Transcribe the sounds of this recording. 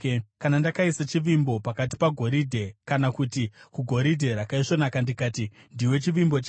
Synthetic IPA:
kanandakaisat͡ʃiʋimbo̞pakat̬i̥paɡʱo̞ɾidʱe̞kanakutikuɡʱo̞ɾidʱe̞ɾakaiʂonakandikaːti | ndiwe̞t͡ʃiʋimbo̞t͡ʃː

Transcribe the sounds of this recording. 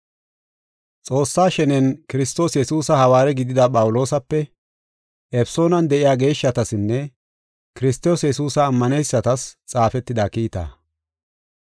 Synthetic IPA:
t͡sʼo̞ːsːaːʃɛnɛnkɪɾɪst̪o̞ːsjɛsuːsɐhɐwaːɾɛɡɪd̪ɪd̪ɐpʼɐwʊlo̞ːsɐpːɛ | ʔɛfso̞ːnɐnd̪ɛʔɪjaːɡe̞ːʃːɐt̪ɐsɪnːɛ | kɪɾɪst̪o̞ːsjɛsuːsɐːmːɐnejsːɐt̪ɐst͡sʼaːfɛt̪ːɪd̪ɐkiːt̪ɐ̰

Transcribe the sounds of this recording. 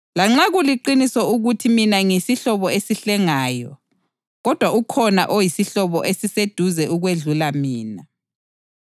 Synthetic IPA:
laŋ͡ǁaɣuliǃinisɔuɣutʰiminaŋesiɬɔβɔesiɬɛŋaːjɔ̰ | ɣɔd̥ʱwaukʰɔna̰ʔojisiɬɔβɔʔesised̥ʱuzɛʔuɣweɮulamiːna

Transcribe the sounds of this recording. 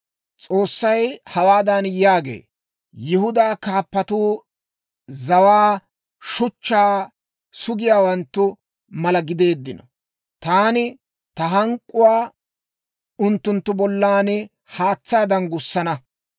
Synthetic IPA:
t͡sʼo̞ːsːɐjhɐwaːd̪ɐnjaːɡḛː | jɪhʊd̪aːkaːpːɐt̪uː | zɐwaː | ʃʊt͡ʃːaː | sʊɡɪjaːwɐnt̪ːʊ | mɐlɐɡɪd̪e̞ːd̪ːɪnɔ | t̪aːnɪ | t̪ɐɦɐŋkʼːʊwaː | ʊnt̪ːʊnt̪ːʊbɔlːaːnɪ | haːt͡sːaːd̪ɐnɡʊsːɐnɐ

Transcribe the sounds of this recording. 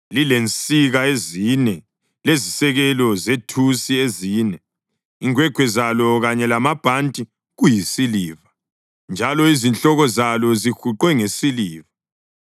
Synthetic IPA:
lilent͡sʼiɣaezinɛ | lezisɛɣɛlɔzetʰusieziːnɛ | iŋwɛɡ̥ʱwɛzalɔɣaɲɛlamab̥ʱantʼi | ɣujisiliːva | nd͡ʒʱalɔizint͡ɬʼɔɣɔzalɔzixuǃwɛŋesiliːva

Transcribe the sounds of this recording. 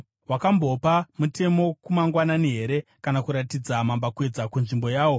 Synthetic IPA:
ɦwakambo̞pamutʰe̞mo̞kumaŋɡwananiɦe̞ɾe̞kanakuɾatid͡zamambakwe̞d͡zakunʐimbo̞jaːwo̞

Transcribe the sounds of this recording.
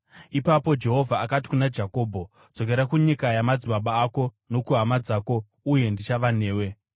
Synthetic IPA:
ipapo̞d͡ʒe̞ɦo̞vʱaːkati̥kunad͡ʒako̞ːbʱo̞ | d͡zo̞k̬e̞ɾakuɲikajamad͡ziɓaɓaːko̞ | no̞kuɦamad͡zaːko̞ | uje̞ndit͡ʃaʋane̞ːwe̞

